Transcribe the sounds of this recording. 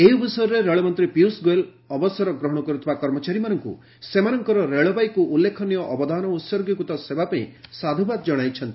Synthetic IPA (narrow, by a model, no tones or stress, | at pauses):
ejubisɔjɔɾeɾeɭɔmɔnt̪ɾipjusɡoel | ɔbɔsɔɾɔɡɾɔɦɔɽ̃ɔkɔɾut̪ʰɔbakɔɾmɔt͡ʃaɾimanɔŋkṵ | semanɔŋkɔɾɔɾeɭɔbajkuʔːlːekʰɔnijɔʔɔbɔd̪ʱanɔut̪sɔɾɡɔkut̪ɔsebapaĩsad̪ʱubad̪ɔd͡ʒɔɽ̃ajt͡ʃʰɔnt̪i